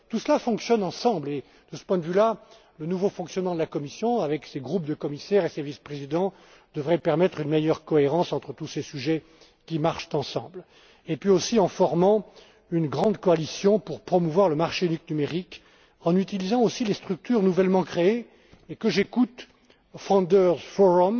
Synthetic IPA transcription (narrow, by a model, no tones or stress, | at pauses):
t̪usəlafɔ̃ksjɔnɑ̃sɑ̃ble | d̪̥əsə̥pwɛ̃d̪əvyla | lənuvofɔ̃ksjɔnmɑ̃d̪əlakɔmisjɔ̃avɛkseɡʁup̚d̪əkɔmisɛʁesevispχezid̪ɑ̃ | d̪əvʁɛpɛʁmɛt̪χynmejœʁkɔeʁɑ̃sɑ̃t̪χət̪usesyʒɛ | kʲimaʁʃt̪ɑ̃sɑ̰̃bl | epɥiosiɑ̃fɔʁmɑ̃ | ynɡʁɑ̃d̪kɔalisjɔ̃puʁpχɔmuvwaʁləmaʁʃeyniknymeʁik | ɑ̃nyt̪ilizɑ̃osilest̪χyk̚t̪yʁnuvɛlmɑ̃kχee | ekəʒekut̪ | fɑ̃d̪œʁfɔʁɔm